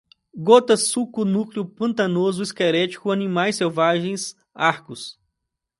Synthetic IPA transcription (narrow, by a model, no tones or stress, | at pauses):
ɡot̪ɐsukʊnukliʊpɐ̃nt̪ɐnozʊiskɛɾɛt͡ʃi̥kʊɐnĩmajsewvaʒẽj̃s | aɾkʊs